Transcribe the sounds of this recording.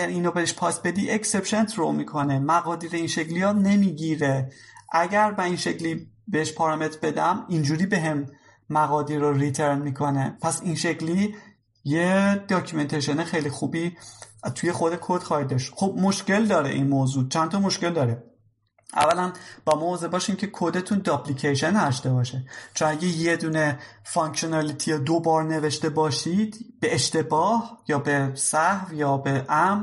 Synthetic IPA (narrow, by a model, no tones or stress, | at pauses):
ʔæɡæɾiːnobeheʃpʰɒːsbe̞d̪iːʔecse̞pʃe̞nt̪ʰɾomikʰo̞nemæɣɒːd̪iːɾeinʃecʰlijɒːne̞miːɟiːɾeʔæɟæɾbæinʃecliː | beheʃpʰɒːɾmet̪ʰɾbe̞d̪æmind͡ʒuːɾiːbe̞ɦemː | æɣɒːd̪iɾoɾit̪ʰeɾnmiːkʰo̞nepʰæsinʃe̞cli | jed̪̥ɒːcʰume̞nt̪ʰeʃenexejlixuːbiːt̪ʰuje̞xod̪ekʰod̪̥xɒːhid̪ːɒːʃt̪xob̥̚moʃce̞ld̪ɒːɾḛʔinmoːzuːt͡ʃʰænt̪ʰɒmo̞ʃce̞ld̪ɒːɾe | ʔæ̰vːælænb̥ɒːmɒoːzebɒːʃiːncʰe̞kʰod̪e̞t̪ʰuːnd̪ɒplicʰeʃenæʃt̪e̞bɒːʃet͡ʃʰonæɟejed̪uːne̞fɒŋkʰonɑlit̪ʰijed̪o̞bɒːɾne̞ve̞ʃt̪e̞bɒːʃid̪̥b̥eːʃt̪e̞bɒːhjɒːbesæhvjɒːbeʔæm